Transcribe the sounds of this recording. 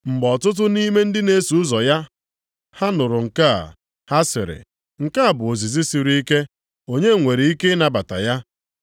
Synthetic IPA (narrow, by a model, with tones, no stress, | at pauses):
ŋ͡m̩˨ɡ͡bɔ˨tʊ˦t̬ʊ˦ni˦me˦n̩˦dɪ˦ne˦su˨ʊ˦zɔ˨ja˦ | ha˦nʊ˨ɾʊ˨ŋ̩˨ka̰˦˨ | ha˦sɪ̰˨ɾɪ̰˨ | ŋ̩˨ka˦a˨bʊ˨o˨zi˨zi˦si˨ɾi˦i˦ke˦ | o˦ɲe˦˨ŋʷe˨ɾi˨i˦ke˦na˨ba˨ta̰˨ja˦